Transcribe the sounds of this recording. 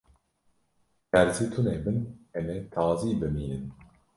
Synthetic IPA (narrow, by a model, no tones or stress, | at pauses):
kæɾziːt̪ʰuneːbɨnɛmet̪ʰɑːziːbɨmiːnɨn